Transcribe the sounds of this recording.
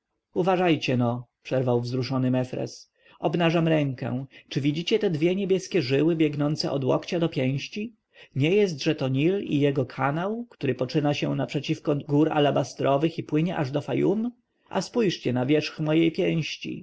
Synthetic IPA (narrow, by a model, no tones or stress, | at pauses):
uvaʐajt͡ɕɛnɔpʂɛɾvawvzɾuʂɔnɘmɛfɾɛ̰s | ɔbnaʐamɾɛŋkɛ̰̃t͡ʂɘvʲid͡ʑit͡ɕɛt̪ɛd̪vʲjɛɲebʲjɛskʲɛʐɘwɘbʲjɛɡnɔnt̪sɛ̰ʔɔd̪wɔ̰kt͡ɕad̪ɔpʲjɛ̃w̃ɕt͡ɕi | ɲɛjɛst̪ʐɛt̪ɔɲilḭjɛɡɔkʰanawkt̪uɾɘpɔt͡ʂɘnaɕɛ̰napʂɛt͡ɕifkɔɡuɾa̰labast̪ɾɔvɘxipwɘɲɛʔaʐd̪ɔfajum | ʔa̰spujʂt͡ɕɛnavʲjɛʂxmɔjejpʲjɛ̃w̃ɕt͡ɕḭ